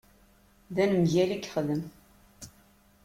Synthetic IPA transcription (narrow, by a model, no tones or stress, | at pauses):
ðænəmʝælikːχəðəm